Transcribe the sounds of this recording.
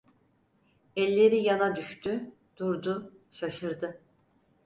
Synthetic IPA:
ɛlʲːe̞ɾijanad̪yʃt̪ʰy | d̪̥uɾd̪ʊ | ʃaʃɯɾd̪ɯ

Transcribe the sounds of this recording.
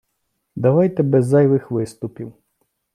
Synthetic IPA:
d̪ɐʋajt̪ɛbɛzːɑjʋɪxʋɪst̪ʊpʲiw

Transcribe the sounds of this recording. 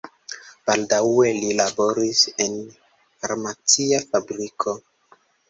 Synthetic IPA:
b̥aldawe̞lilabo̞ɾise̞n | faɾmat͡siafabɾikʰo

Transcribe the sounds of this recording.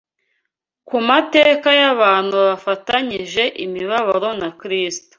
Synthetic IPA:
kumate̞ːkajaβaːn̥huβafataɲiʒe̞ʔimiβaβaɾo̞nakɾiːsto̥

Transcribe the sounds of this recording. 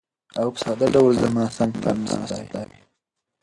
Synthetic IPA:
awpə̥sɑd̪aɖawlzamɑsaŋɡpa̰ɾnaa̰sa̰jd̪a

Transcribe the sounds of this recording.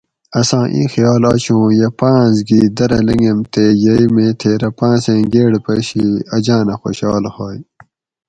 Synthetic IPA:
ɐsãːʔḭ̃ːxijaːlaːt͡ɕũːjepãːzɡiːd̪ɐɾɐlɐŋɡemt̪ejɐimẽːt̪ʰeːɾɐpãːsẽːɡeːɽpɐɕiɐd͡ʑãːnɐxo̰ɕaːlhoːj

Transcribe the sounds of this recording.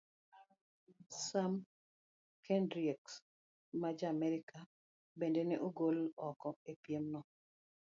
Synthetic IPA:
sam | kɛndɾiɛks | mad͡ʒamɛɾɪka | bendenɛʔoɡolɔkɔepjemnɔ

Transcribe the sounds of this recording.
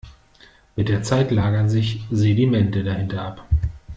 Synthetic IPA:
mɪt̚d̥eːɐt͡saɪtlaːɡɐnzɪçzedimɛntədahɪntɐʔap

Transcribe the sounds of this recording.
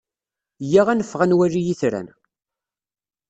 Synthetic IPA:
jiʁænəfːʁænwærijiθɾæ̰n

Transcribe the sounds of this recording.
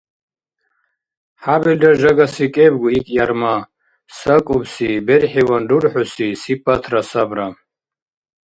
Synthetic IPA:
ħabɛld̪aʒaɡasikʼɛbɡuikʼjaɾma | sakʼubsibɛɾħiwand̪uɾħusisipʼːat̪ʰrasabɾa

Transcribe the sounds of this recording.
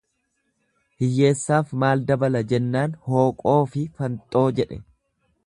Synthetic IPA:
hɪjːe̞ːsːaːfmaːld̪ɐbɐlɐd͡ʒɛnːaːnho̞ːkʼo̞ːfɪfɐnt̪ʼo̞ːd͡ʒɛᶑɛ

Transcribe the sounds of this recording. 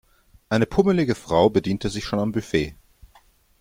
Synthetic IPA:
ʔaɪnəpʰʊməlɪɡəfʁ̥aʊbədiːntəzɪçʃoːnambyfeː

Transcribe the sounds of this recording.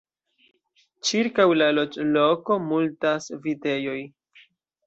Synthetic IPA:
t͡ʃiɾkawlalo̞t͡ʃlo̞ko̞multasvite̞jo̞j

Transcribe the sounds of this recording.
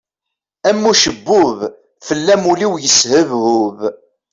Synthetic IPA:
æmːuʃəbːʊv | fəlːæmuliwjəshəvhʊv

